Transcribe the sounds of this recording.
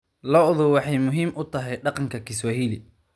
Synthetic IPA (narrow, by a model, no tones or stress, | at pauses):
lɔʔðʊwɑħɑjmʊɦiːmʔʊt̪ʰɐɦɛjɖɑqɑŋkʰɐkʰɪswɐɦiːlɪ